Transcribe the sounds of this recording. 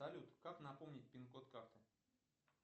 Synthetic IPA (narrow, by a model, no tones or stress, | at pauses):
ɐlʲut̪kaknɐpomnʲɪt̚ʲpʲɪnkot̪kaft̪ɨ